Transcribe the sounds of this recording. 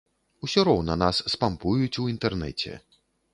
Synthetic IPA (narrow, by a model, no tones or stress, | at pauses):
usʲɔɾɔwnɐnasːpampujut͡sʲuint̪ɛrnɛ̰t͡sʲɛ̰